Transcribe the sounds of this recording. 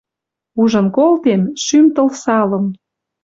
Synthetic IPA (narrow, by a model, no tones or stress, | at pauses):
uʒə̆nkolt̪emʃymt̪ɤ̆lsɑlə̆m